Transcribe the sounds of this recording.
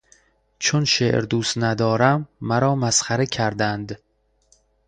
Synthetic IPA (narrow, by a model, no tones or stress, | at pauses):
t͡ʃʰonʃḛʔɾd̪uːst̪næd̪ɒːɾæmːæɾɒːmæsxæɾecʲʰæɾd̪ænd̪